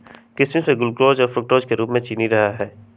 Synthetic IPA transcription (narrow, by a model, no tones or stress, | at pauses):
kɪsmĩsẽɡʊlkɾoːd͡ʒɔːɾfɾʊk̚ʈoːd͡ʒkeɾuːpmẽt͡ʃiːniɾɐɦaɦɛː